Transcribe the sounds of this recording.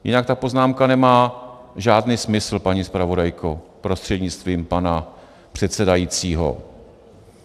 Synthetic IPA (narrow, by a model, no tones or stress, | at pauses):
jɪnakt̪apo̞znaːmkanɛmaːʒaːdniːsmɪsl̩paɲispɾavo̞dajkʰopɾo̞st̪r̥ɛdɲɪt͡st̪viːmpana | pr̝̥ɛt̪sɛdajit͡siːɦo̰